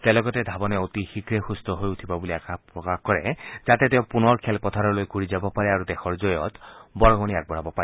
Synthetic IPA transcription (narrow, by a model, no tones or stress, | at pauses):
t̪elɔɡɔt̪ed̪ʱabɔneot̪ixikɾexust̪ɔɦojut̪ʰibabuliakʰapɾɔkaxkɔɾed͡ʒat̪et̪ew̃punɔɾkʰelpɔt̪ʰaɾɔlojɡʱuɾid͡ʒabɔpaɾeaɾud̪exʰɔɹd͡ʒɔjɔt̪bɔɾɔɡɔniaɡ̚bɔɽabɔpaɾe